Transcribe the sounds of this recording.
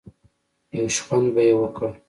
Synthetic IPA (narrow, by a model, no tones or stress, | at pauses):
jawʃxwanbajewəkə